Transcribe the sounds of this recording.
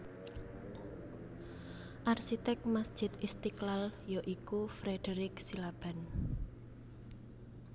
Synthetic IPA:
ʔarsit̪ɛk̚masd̥ʒ̥ɪ̤t̪ist̪iklaljɔʔikufɾeɖ̥əɾɪksilab̥a̤n

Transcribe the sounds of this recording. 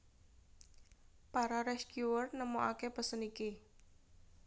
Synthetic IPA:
paɾaɾɛskuwərnəmoʔakepəsəniki

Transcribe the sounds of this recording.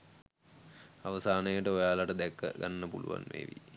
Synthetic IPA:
aʋəsaːnəjəʈəojaːlaʈəd̪ækːəɡanːəpuluʋa̰nmḛːʋi

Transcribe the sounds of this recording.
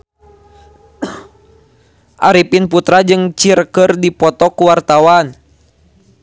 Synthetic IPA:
ʔaɾipinput̪ɾad͡ʒɨŋt͡ʃirkɨrdipɔt̪ɔkuwart̪awan

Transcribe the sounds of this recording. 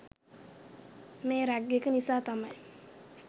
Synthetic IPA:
meːɾaɡːekənisaːt̪amaj

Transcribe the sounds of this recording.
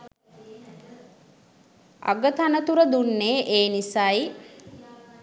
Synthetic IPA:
a̰ɡət̪anət̪uɾəd̪unːeːʔeːnisaːj

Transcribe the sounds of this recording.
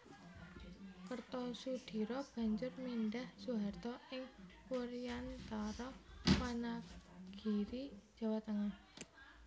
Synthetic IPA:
kərt̪ɔsud̪̥i̤ɾɔb̥ä̤ɲd͡ʒʊrminɖahsuɦart̪ɔɪŋkuɾijant̪aɾɔwanaɡ̥iɾi̥d͡ʒ̥a̤wat̪əŋah

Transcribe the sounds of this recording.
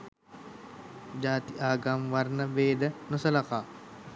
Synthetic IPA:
d͡ʒaːt̪iʔaːɡamʋaɾnəʋeːd̪ənosəlɐkaː

